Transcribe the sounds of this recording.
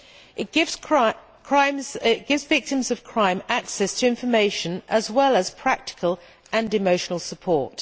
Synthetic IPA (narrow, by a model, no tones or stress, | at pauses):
ʔɪt̚ɡ̥ɪv̥ | kʰɹ̥ãɪ̃mzɪʔ̚ɡ̥ɪvzvɪk̚tɪ̃mzəv̥kʰɹ̥ãɪ̃maksɛstʰəɪ̃ɱfəmeɪʃə̃nəzwɛlˠəz̥pʰɹ̥ak̚tɪ̥kʰəlˠ | ʔə̃nɪməʊʃənəlˠsəpʰɔˑt